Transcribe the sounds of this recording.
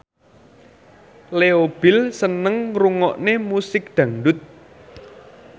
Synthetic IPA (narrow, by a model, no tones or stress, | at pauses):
leob̥ɪ̤lsənəŋruŋɔʔnemusɪk̚ɖ̪̥ä̤ŋɖʊt̪̚